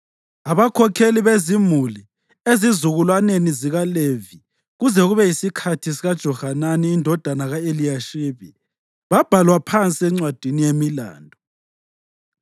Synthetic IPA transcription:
aβakʰɔkʰeliβezimuli | ezizuɣulwaneniziɣalevi | ɣuzɛɣuβɛjisikʰatʰisiɣad̥ʒ̥ʱɔhananiːndʱɔd̥ʱanaɣaeliaʃiβi | βab̥ʱalwapʰant͡sʼiɛŋ͡ǀwad̥ʱinijemila̰ːndʱɔ

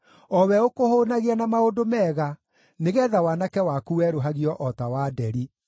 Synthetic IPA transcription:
ɔwɛokohonaɣianamaodomɛːɣa | neɣɛðawanakɛwakuwɛɾoɦaɣiɔʔɔtawaːdɛɾi

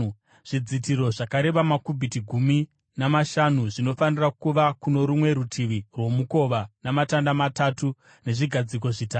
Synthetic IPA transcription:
ʐ̥id͡zitiɾo̞ʐakaɾe̞ʋamakubʱitiɡʱumi | namaʃanuʐino̞fanirakuʋakuno̞ɾumwe̞ɾutʰiʋirwo̞muko̞ʋanamatandamatatu | ne̞ʐiɡʱad͡zik̬o̞ʐitaː

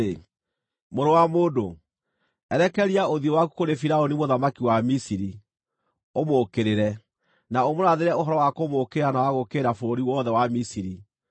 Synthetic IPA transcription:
e | moɾowamoːdo | ɛɾɛkɛɾiaoðiɔwaku̥koɾefiɾaonimoðamakiwamisiɾi | omoːkeɾeɾɛ | naomoɾaðeɾɛoɦɔɾɔwakomokeɾanawaɣokeɾafooɾiwɔðɛwamisiɾi

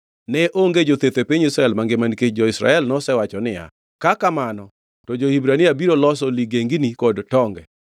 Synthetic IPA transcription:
nɛʔoŋɡed͡ʒot̪et̪epiɲisɾaɛlmaŋɡemanket͡ʃ̚d͡ʒɔɪsɾa̰ɛlnɔsɛwat͡ʃɔnɪja̰ | kakamanɔ | tɔd͡ʒohibɾaniabiɾolɔs̬ɔliɡeŋɡinikɔdtɔŋɡɛ

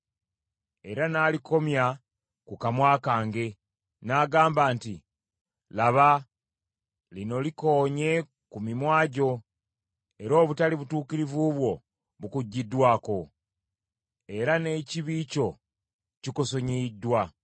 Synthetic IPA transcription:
e̞ɾanaːliko̞mja | kukamwaːkaːŋɡe̞ | naɡaːmbaːnti | laβa | lino̞liko̞ːɲe̞ | kumimwaːɟo̞ | e̞ɾo̞ːβutaliβutuːkiɾivuβwo̞ | βukuɟːidːwaːko̞ | e̞ɾane̞ciβiːco̞ | cikoso̞ɲidːwa

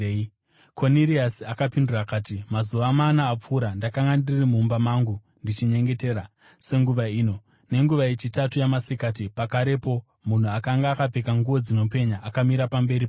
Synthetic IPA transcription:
kʰo̞niriasiakapindurakaːtimazuʋamanaːp͡fuːɾandakaŋɡandirimuːmbamaːŋɡu | ndit͡ʃiɲe̞ŋɡe̞te̞ːɾa | se̞ŋɡuʋaiːno̞ | ne̞ŋɡuʋajet͡ʃitatujamasekaːt̬ipakaɾe̞po̞ | mun̤uakaŋɡaːkab͡vekaŋɡuʋo̞d͡zino̞pe̞ɲaʔːkamiɾapambe̞ɾipa

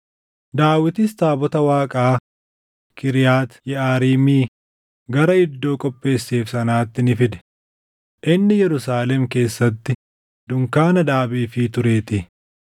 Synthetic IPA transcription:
d̪aːwɪt̪ɪst̪aːbɔt̪ɐwaːkʼaː | kɪɾɪjaːt̪jɛʔaːɾiːmiː | ɡɐɾɐɪd̪ːo̞ːkʼɔpʼːe̞ːsːeːfsɐnaːt̪ːɪnɪfɪd̪ɛ̥ | ʔɪnːɪjɛɾʊsaːlɛmke̞ːsːɐt̪ːɪ | d̪ʊŋkaːnɐd̪aːbiːfit̪ʊɾe̞ːt̪ɪ

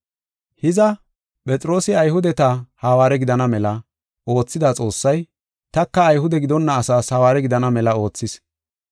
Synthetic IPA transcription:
hɪzɐ | pʼɛt͡sʼɾo̞ːsɪɐjhʊd̪ɛt̪ɐhaːwaːɾɛɡɪd̪ɐnɐmɛlɐ | o̞ːt͡sːɪd̪at͡sʼo̞ːsːɐj | t̪ɐkːɐːjɦʊd̪ɛɡɪd̪ɔnːɐːsaːshɐwaːɾɛɡɪd̪ɐnɐmɛlɐo̞ːt͡sːɪs

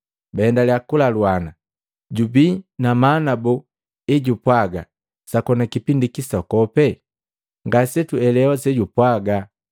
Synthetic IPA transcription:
baɛndaljakulalwana | ɟubinamanabu | eɟupwaɡa̰ | sakɔnakipindikisakɔpɛ | ŋɡasɛtuɛlɛɔsɛɟupwaɡa

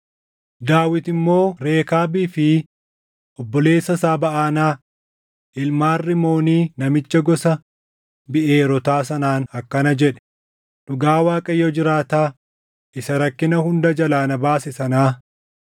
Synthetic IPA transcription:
d̪aːwɪt̪ɪmːo̞ːɾe̞ːkaːbiːfɪ | ʔɔbːɔle̞ːsːɐsaːbɐʔaːnaː | ʔɪlmaːrːɪmo̞ːniːnɐmɪt͡ʃːɐɡɔsɐ | bɪʔe̞ːɾɔt̪aːsɐnaːnɐkːɐnɐd͡ʒɛᶑɛ̥ | ɗʊɡaːwaːkʼɐjɔd͡ʒɪɾaːt̪aː | ʔɪsɐɾɐkːɪnɐhʊnd̪ɐd͡ʒɐlaːnɐbaːsɪsɐnaː

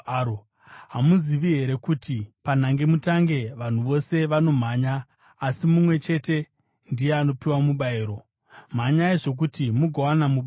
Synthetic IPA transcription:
o | ɦamuziʋiɦe̞ɾe̞kutipan̤aŋɡe̞mutaŋɡe̞ʋan̤uʋo̞se̞ʋano̞m̤aɲaː | simumwe̞t͡ʃe̞te̞ | ndije̞ano̞piwamuɓaiːɾo̞ | m̤aɲajeʐo̞k̬utimuɡʱawanamuɓa

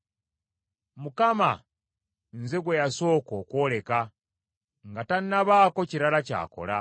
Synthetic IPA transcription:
mukama | nzeɡwejaso̞ːko̞ːkwo̞ːle̞ka | ŋɡatanːaβaːko̞ciɾalaca̰ːko̞̰la̰

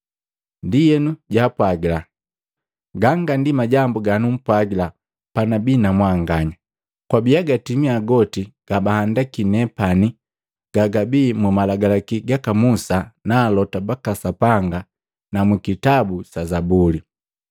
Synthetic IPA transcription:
ndijɛnuɟaːpwaɡila | ɡaŋɡandimaɟambuɡanum̩pwaɡila | panabiːnamwaŋɡaɲa | kwabiaɡatimiaɡɔtiɡ̥abahandakinɛpani | ɡ̥aɡabiːmumalaɡalakiɡakamusanaːlɔtabakasapaŋɡa | namukitabusazabuli

